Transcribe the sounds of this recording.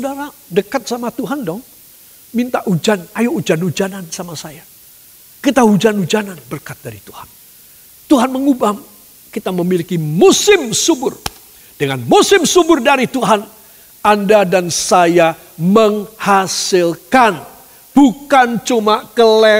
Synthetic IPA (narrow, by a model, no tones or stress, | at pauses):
sədaɾadəkat̪̚samat̪uɦandɔŋ | mint̪aʔud͡ʒanajoud͡ʒanud͡ʒanansamasaja | kit̪aud͡ʒanud͡ʒananbərkat̪̚daɾit̪uhan | t̪uɦanməŋubam | kit̪aməmilikimusɪmsubʊr | d̥əŋanmusɪmsubʊrdaɾit̪uɦan | andadansaja | məŋhasɪlkan | b̥ukant͡ʃumakəlɛ